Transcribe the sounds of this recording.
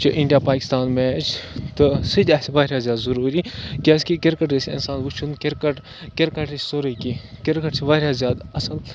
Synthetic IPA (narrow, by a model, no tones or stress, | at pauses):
t͡ʃʰɐʔiɳɖijaːpaːki̥st̪aːnmeːt͡ʃʰt̪ɨsɨd̪ʲɐsʋaːɾjaːzʲjaːd̪zɐɾuːɾikʲeːskikiɾkɐʈɾesʲɐ̰nsaːnʋut͡ʃʰunkeɾkɐʈ | keɾkɐʈisʲsoɾɐkikiɾkɐʈsiʋaːɾʲjaːzʲjaːd̪ɐsɐl